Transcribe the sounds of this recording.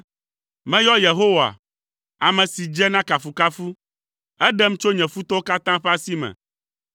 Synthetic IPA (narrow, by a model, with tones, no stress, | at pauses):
mɛ̃˦jɔ˦je˨ɦo˦wa̰˨ | a˨mɛ̃˨si˨d͡ʒɛ˦nã˦ka˨fu˨ka˦fu˦ | ɛ˦ɖɛ˦m̩̃˦t͡ʃo˦ɲɛ̃˨fu˦t̪ɔ˦o˦ka˦t̪ã˦ɸɛ˦a˦si˦mɛ̰̃˨